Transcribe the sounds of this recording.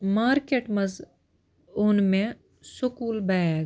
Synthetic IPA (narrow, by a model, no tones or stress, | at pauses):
maːɾkeːʈmɐz | ʊnmẽ | sʊkuːlbɐɡ